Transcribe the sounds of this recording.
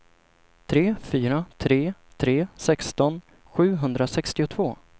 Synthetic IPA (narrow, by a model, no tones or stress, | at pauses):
t̪ʰɾeːfyːɾat̪ʰɾeːt̪ʰɾeːsɛkst̪ɔn | ɧʉ̟ːɦɵnd̪ɾasɛkst̪ɪʊt̪ʰvoː